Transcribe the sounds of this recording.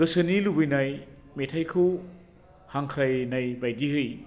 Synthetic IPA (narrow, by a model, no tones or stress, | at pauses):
ɡɯsɯnilubɯjnajmetʰajkʰɯw | haŋkʰɾajnajbajdiɦɯj